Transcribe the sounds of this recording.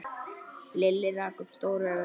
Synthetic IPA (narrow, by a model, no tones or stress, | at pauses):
lɪlːɪraːkʏmst̪oːwɾaɣ